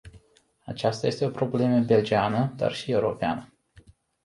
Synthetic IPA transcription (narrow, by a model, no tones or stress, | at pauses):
at͡ʃast̪aje̞st̪e̞o̞pɾo̞ble̞məbe̞ld͡ʒianəd̪a̰rʃie̞uɾo̞pea̰nə